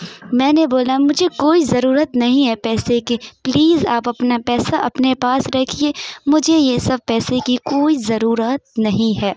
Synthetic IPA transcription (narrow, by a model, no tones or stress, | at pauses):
mɛ̃ːneboːlamʊd͡ʒʱekoːizɐɾuːɾət̪nɐɦĩɦɛpɛːsekepliːzaːpɐpnapɛːsaʔɐpnepaːsɾɐkʰieːmʊd͡ʒʱejesɐb̚pɛːsekikoːizɐɾuːɾət̪̚nɐɦĩɦɛː